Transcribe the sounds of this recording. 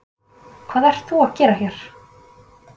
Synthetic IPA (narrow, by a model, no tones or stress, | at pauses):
kʰvaːðɛr̥t̪θuaðcɛːɾaçjɛɾ̥